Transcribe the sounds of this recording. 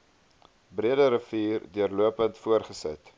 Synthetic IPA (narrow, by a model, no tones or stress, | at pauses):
briədəɾəfiːrduərluəpəntfuərχəsə̰t